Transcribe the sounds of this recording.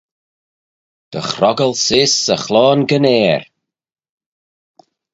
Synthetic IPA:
d̪̥ə̰xɾɔɡəlˠsɪsəxlɔːnɡənɛːɾ

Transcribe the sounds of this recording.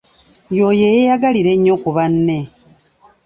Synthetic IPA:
jojejejaɡaliɾe̞ɲːo̞kuβanːe̞

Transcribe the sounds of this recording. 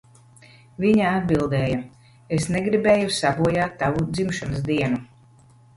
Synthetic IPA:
viɲaad̪̚bilˠd̪ɛːja | esnɛɡɾibɛːjusabuɔjaːt̪ːavud̪zimʃansd̪iɛnu

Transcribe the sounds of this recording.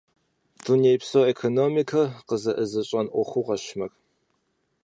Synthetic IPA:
d̥unejpsowekʰonomikʰɐqəzɐʔəzɐɕʼɐnʔʷɔxʷuʁɐɕmɐx

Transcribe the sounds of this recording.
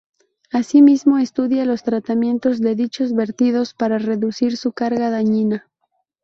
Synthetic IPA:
asimizmo̞e̞st̪uðjalo̞st̪ɾat̪amje̞nt̪o̞zðe̞ðit͡ʃo̞zβe̞ɾt̪ið̞o̞spaɾare̞ðusiɾsukaɾɣaðaɲina

